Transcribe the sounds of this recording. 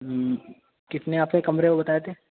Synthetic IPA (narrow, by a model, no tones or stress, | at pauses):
kɪt̪neaːpsekɐmɾekobɐt̪aːet̪ʰeː